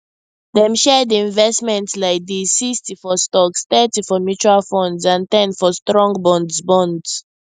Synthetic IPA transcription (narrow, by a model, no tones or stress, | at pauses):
dɛ̃mʃɛdiĩnvɛstmɛ̃ntslaɪk̚disistifɔstɔkstɛtifɔmjut͡ʃualfɔ̃ndsãntɛ̃nfɔstɹɔ̃ŋɡbɔ̃ndzbɔ̃ndz